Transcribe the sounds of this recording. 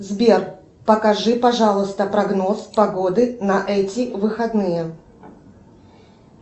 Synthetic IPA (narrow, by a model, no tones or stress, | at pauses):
zbʲer | pɐkɐʐɨpɐʐalˠɨst̪əpɾɐɡno̞spɐɡod̪ɨnɐʔɛtʲɪvɨxɐd̪nɨjə